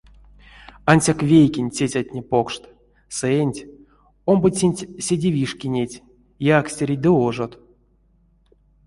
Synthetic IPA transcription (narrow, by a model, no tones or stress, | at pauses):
anʲsʲakvʲejkʲinʲt͡sʲet͡sʲatʲnʲepokʂt̪ | sɛnʲtʲ | ombɨt͡sʲenʲtʲsʲedʲivʲiʂkʲinʲetʲ | jaksʲtʲeɾʲid̪ɨoʐot̪